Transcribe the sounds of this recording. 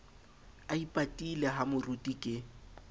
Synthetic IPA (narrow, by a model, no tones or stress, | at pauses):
aipʼatʼileɦamʊrutʼikʼɪ